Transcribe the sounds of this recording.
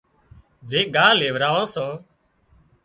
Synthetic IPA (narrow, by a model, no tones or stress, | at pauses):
d͡ʒeːɠaːleːʋɾaːʋõːsoː